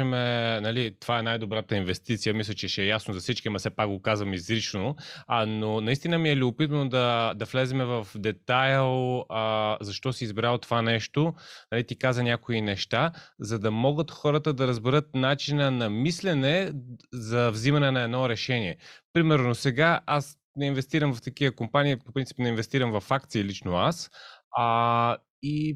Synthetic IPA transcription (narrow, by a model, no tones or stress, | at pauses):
ɛmɛnɐlit̪ovaɛnajd̪obɾat̪əinvɛst̪it̪sijəmislʲət͡ʃɛʃɛjasnozɐfsit͡ʃkʲimɐsɛpak̚ɡokazvɐmizlit͡ʃnononɐist̪inəmiɛliʊpit̪̬vənod̪ɐd̪ɐflɛzɛmɛvɐfd̪ɛt̪ajlˠ | zɐʃt̪ɔsiːzbɾalˠt̪ovanɛʃt̪onɐlit̪ikazənʲjakoinɛʃt̪azɐd̪ɐmɔɡət̪xɔɾət̪əd̪ɐɾəzbɛɾɤt̪̚nat͡ʃinənɐmislɛnɛzɐvzimɐnɛnɐɛd̪nɔɾɛʃɛniɛpɾimɛɾnosɛɡaas | nɛinvɛst̪iɾəmvɐft̪ɐkivəkompaniipopɾint̪si̥pnɛinvɛst̪iɾəmvɐfak̚t̪siːlit͡ʃnoas | i